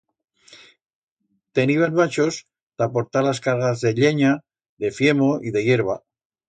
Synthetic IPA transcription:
t̪e̞niβanβat͡ʃos | t̪apo̞ɾt̪alaskaɾɣazðe̞ʎe̞ɲa | ðe̞fje̞moʔiðe̞je̞ɾβ̞a

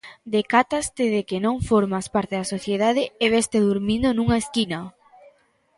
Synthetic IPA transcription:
d̪ekat̪ast̪eðekenõŋfoɾmaspaɾt̪eðasoθjeðaðɪeβest̪eðuɾmĩnd̪onũŋaeskinɐ

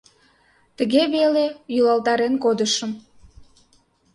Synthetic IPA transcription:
t̪əɣeβelejylɑlˠt̪ɑɾenkod̪əʃəm

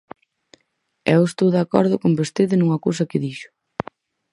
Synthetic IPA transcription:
ɛwest̪owðakɔ̰ɾðʊkombest̪eðɪnuŋɐkows̬ɐkɪðiʃʊ̥

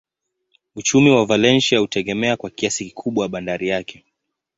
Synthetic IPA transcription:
ut͡ʃumiwavalɛnʃiahutɛɠɛmɛakwakiasiki̥kʰuɓwaaɓandaɾijakʰɛ

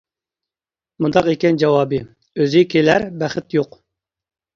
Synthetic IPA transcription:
mund̪ɑqekʲɛnd͡ʒɑwɑːbɨ | øzɪkʲʰelæɾbæχɪt̪joq

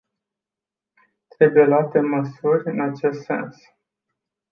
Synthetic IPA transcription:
t̪ɾe̞bujje̞lat̪e̞məsurʲɨnat͡ʃe̞st̪se̞̰ns

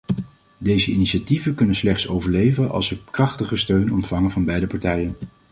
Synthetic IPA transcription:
dejzəiniʃativəkɵnənslɛχtsowvəɹlejvənʔɑ̰lˠsəkrɑχtəχəstøɥnɔntfɑŋəvɑnbɛjdəpɑɹtɛjən

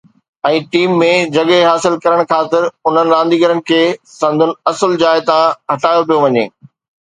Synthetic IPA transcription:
ɛ̃ːʈiːmːẽd͡ʑɐɠeɦaːsɪlkɐɾəɽ̃kʰaːt̪ɪɾʊn̤ənɪ̆ɾãːnd̪iːɡəɾənɪ̆kʰeːsɐ̃nd̪ʱʊnɪ̆ɐsəld͡ʑaːɪt̪ãɦɐʈaːjopijoʋɐɲḛː

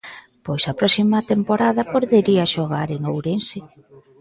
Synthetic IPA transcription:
pojsɐpɾɔsimɐt̪empoɾaðɐpoɾðeɾiaʃoɣ̞aɾeŋowɾensɪ

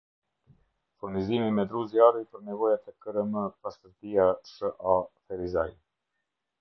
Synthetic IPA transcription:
fuɾnizimimɛd̪ɾuzjaɾujpəɾnɛvɔjat̪ɛkəɾəməpast̪əɾt̪iasəʔafɛɾizaj

